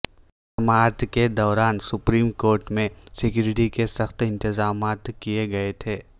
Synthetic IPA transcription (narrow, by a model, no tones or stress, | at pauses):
sɐmaːɾt̪ʰked̪ɔːɾaːnsʊpɾiːmkoːɾʈmẽsɪkjuːɾɪʈikesɐxt̪ɪ̃nt̪ɪzaːmaːt̪kijeɡɐet̪ʰeː